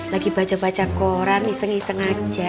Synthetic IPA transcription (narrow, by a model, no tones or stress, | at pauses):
laɡ̥ib̥a̤̥t͡ʃapat͡ʃakoɾanisəŋisəŋḁd͡ʒ̥a̤